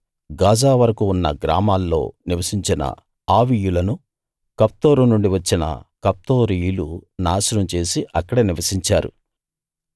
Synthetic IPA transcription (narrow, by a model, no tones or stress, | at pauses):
ɡaːd͡ʒaːʋɐɾɐkuːnːɐ̰ɡɾa̰ːmaːlːo̞̰ːniʋɐsiɲt͡ʃinɐ̰ | aːʋijulɐnu | kɐp̚t̪o̞ːɾunuɳɖiʋɐt͡ʃːinɐ̰kɐp̚t̪o̞ːɾijlunaːsuɾɐmt͡ʃe̞ːsiʔɐkːɐɽɐniʋɐsiɲt͡ʃaːɾṵ